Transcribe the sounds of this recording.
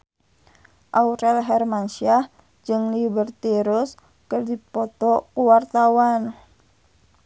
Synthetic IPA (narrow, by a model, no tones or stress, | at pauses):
ʔauɾɛlɦɛrmansia | d͡ʒɨŋlibərt̪iɾus | kɨrdipɔt̪ɔkuwart̪awan